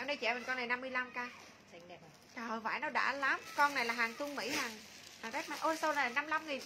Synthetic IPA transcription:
ɛː˧˩wɗə˧t͡ɕɛ̰˧˩mə˨˩nkɔ˧nːa˨˩jna˧mːɨ˧əjla˧mkaː˧ | t͡ɕə˨˩va̰ː˧˩jnɔ˨˦ɗa̰ː˧˥laː˨˦mkɔ˧nːa˨˩jlaː˨˩ɦaː˨˩ŋt̪u˧əŋmḭ˧˥haː˨˩ŋhaː˨˩ŋɗɛ˦˥maː˨˩ʔə˧so˧na˨˩laː˨˩na˧mla˧mŋi˨˩n

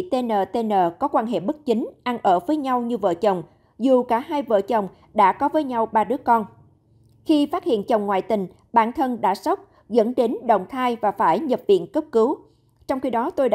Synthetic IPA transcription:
t̪e˧nəː˨˩t̪e˧nəː˨˩kɔ˨˦kwaː˧nɦḛ˧˨ɓə˦˥k̚t͡ɕi˨˦ŋ̟ʔa˧nʔəː˧˩vəː˨˦jɲa˧wɲɨ˧və̰ː˧˨t͡ɕə˨˩wŋ͡m | zu˨˩kaː˧˩ɦaː˧jvə̰ː˧˨t͡ɕə˨˩wŋ͡m | ɗa̰ː˧˥kɔ˨˦vəː˨˦jɲa˧wɓaː˧ɗɨ˨˦˥əkɔ˧n | xi˧faː˦˥t̚hḭ˧˨ənt͡ɕə˨˩wŋ͡mŋwa̰ː˧˨jt̪ï˨˩ŋ̟ | ɓaː˧˩nt̪ʰə˧nɗa̰ː˧˩sə˦˥wk͡p̚ | zə̰˧˥nɗe˨˦nɗə̰˧˨wŋ͡mt̪ʰaː˧jvaː˨˩faː˧˩jɲə˨˩p̚vḭ˧˨ənkə˦˥p̚kɨ˨˦w | t͡ɕɔ˧wŋ͡mxi˧ɗɔ˨˦t̪o˧jɗa˧

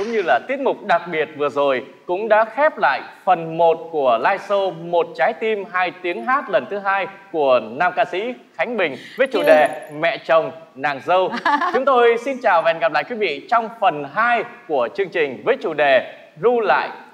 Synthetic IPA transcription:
zʊ̰˧˨˦ŋ͡mɲɨ˧laː˨˩t̪i˦˥ət̚mʊ˨˩k͡p̚ɗa˨˩k̚ɓi˨˩ət̚vɨ˨˩əzo˨˩j | kʊ̰˧˥ŋ͡mɗa̰ː˧˥xɛ˦˥p̚la̰ː˧˨jfə˨˩nmo˨˩t̚ku˧˩əlaː˧jso˧mo˨˩t̚t͡ɕaː˨˦jt̪i˧mɦaː˧jt̪i˨˦əŋɦaː˦˥t̚lə˨˩nt̪ʰɨ˨˦ɦaː˧jku˧˩ənaː˧mkaː˧sḭ˧˥ | xa˨˦jŋ̟ɓï˨˩ŋ̟vəː˨˦jt͡ɕu˧˨˩ɗe˨˩mɛ̰˧˨t͡ɕə˨˩wŋ͡m | naː˨˩ŋzə˧wt͡ɕʊ˨˦ŋ͡mt̪o˧jsi˧nt͡ɕaː˨˩wva˨˩nɣa˨˩p̚la̰ː˧˨kwi˨˦vḭ˧˨t͡ɕɔ˧wŋ͡mfə˨˩nɦaː˧jku˧˩ət͡ɕɨ˧əŋt͡ɕï˨˩ŋ̟vəː˨˦jt͡ɕu˧˩ɗe˨˩ | zu˧la̰ː˧˨j

